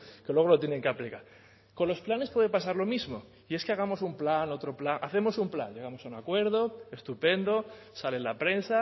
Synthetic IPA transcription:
kelwe̞ɣ̞olot̪jene̞ŋkeaplikaɾ | ko̞nlo̞splane̞spwe̞ðe̞pasaɾlo̞mizmo̞ | ie̞skeaɣ̞amo̞sumplano̞t̪ɾo̞plaŋʔaθe̞mo̞sumpla̰nɟe̞ɣamo̞saunakwe̞ɾð̞o̞e̞st̪upe̞nd̪o̞ | sale̞lapɾe̞nsa

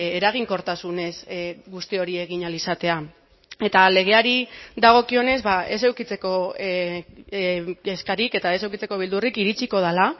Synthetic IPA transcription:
e̞ɾaɣ̞iŋko̞ɾt̪asune̞sɣust̪io̞ɾie̞ɣ̞iɲalisat̪e̞a | e̞t̪ale̞ɣ̞e̞aɾiðaɣ̞o̞kio̞ne̞zβae̞sewkit͡se̞ko̞ | eskaɾike̞t̪ae̞se̞wkit͡se̞ko̞β̞ild̪urikiɾit͡siko̞ð̞ala

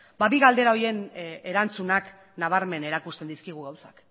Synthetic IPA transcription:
baβiɣald̪e̞ɾao̞je̞ne̞ɾant͡sunak | naβ̞aɾme̞ne̞ɾakust̪e̞nd̪iskiɣ̞uɣawsḁk

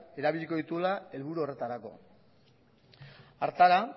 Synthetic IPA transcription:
e̞ɾaβiʎiko̞ðit̪ulae̞lβuɾuo̞re̞t̪aɾako̞̰ | aɾt̪aɾa

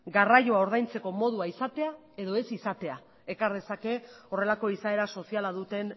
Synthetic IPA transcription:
ɡaraʝo̞ao̞ɾðajnt͡se̞ko̞mo̞ð̞uaisat̪e̞a | e̞ðo̞e̞sisat̪e̞a | e̞kaɾð̞e̞sake̞o̞re̞lako̞isae̞ɾaso̞sialaðut̪e̞n

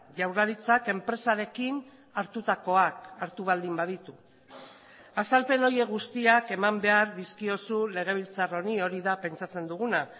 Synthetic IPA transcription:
ʝawraðit͡sake̞mpɾe̞saɾe̞kin | aɾt̪ut̪ako̞akaɾt̪uβ̞ald̪imbað̞it̪u | asalpe̞no̞je̞ɣust̪iake̞mambe̞aɾðiskio̞sule̞ɣ̞e̞β̞ilt͡saro̞nio̞ɾiðape̞nt͡sat͡se̞nd̪uɣ̞una

